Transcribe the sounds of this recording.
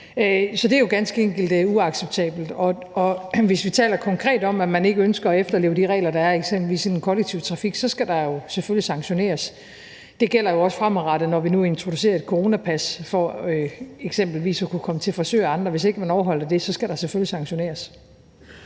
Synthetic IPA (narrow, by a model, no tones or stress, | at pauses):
øsɒ̽d̥e̝æɐjo̝ɡ̥ænsɡ̥əeŋ̰ɡ̥l̩d̥uɑ̈ɡ̥seb̥̚t͡sʰɛ̰ːb̥l̩d̥ɒ̽ | ɒ̽ʋe̝sʋit͡sʰɛ̰ːlɐkʰɒ̽ŋkʰʁɛ̰ːd̥ɒ̽mæmæne̝ɡ̥əønsɡ̥ɐɒ̽efd̥ɐle̝ːʊd̥iʁɛ̰ːlɐd̥ɑ̈æɐeɡ̥sem̰b̥l̩ʋḭːsenenkʰɒ̽leɡ̥̚t͡sʰiʊt͡sʰʁɑ̈fiɡ̥sɒ̽sɡ̥æd̥ɑ̈jo̝seføljisɑ̈ŋɕo̝ne̝̰ːɐs | d̥e̝ɡ̥el̰ɐjo̝ɒ̽sfʁamʁɑ̈ɾ̥ənɒʋinue̝nt͡sʰʁo̝d̥us̬e̝̰ːɐe̝d̥̚kʰoʁo̝ːnæpʰæsfɒøeɡ̥sem̰b̥l̩ʋḭːsɒkʰukʰɒ̽mət͡sʰe̝lfɒ̽sø̰ːɑ̈nd̥ʁɐʋe̝s̬e̝ɡ̥əmænɒʊɐɦɒ̽l̰ɐd̥e̝sɒ̽sɡ̥æɾ̥ɑ̈seføljisɑ̈ŋɕo̝ne̝̰ːɐs